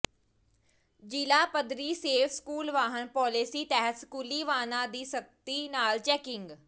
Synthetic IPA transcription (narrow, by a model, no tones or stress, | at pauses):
d͡ʒiːlaːpəd̪ɾiːseːfʰskuːlʋaːɦənpɔːlesiːt̪ɛɦət̪skuːliːʋaːnãːd̪iːsək̚t̪iːnaːlt͡ʃɛːkɪŋɡ